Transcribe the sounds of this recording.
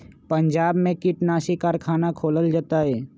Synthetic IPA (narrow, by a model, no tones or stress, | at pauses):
pəɲd͡ʒaːbmẽkɪʈnaːʃikaːɾkʰaːnakʰoːləld͡ʒaːt̪aɦɛː